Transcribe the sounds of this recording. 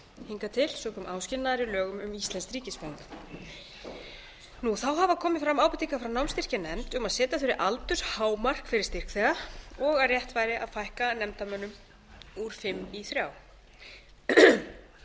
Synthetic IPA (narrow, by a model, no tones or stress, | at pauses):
hiŋkat̪ʰɪlsɔkʰɔːmʔaːwscɪlnaðɾilœːɣʏmʏmist̪lɛnskɾiːcɪspaŋk | nuθawɦavakʰɔːmɪðfɾamːaːwpʏt̪iŋkafɾawnawmst̪ir̥cɪnɛnt̪ʏmaðsɛːt̪aθʏɾɪɾʔalt̪ʏɾ̥haːwmar̥kfɪɾɪ̥ɾ̥st̪ɪr̥kθɛːɣaɔɣarjɛht̪vaːjɾɪʔa̰ðfajhkanɛmt̪amœnːʏm | uɾ̥fɪmːiθɾjaːw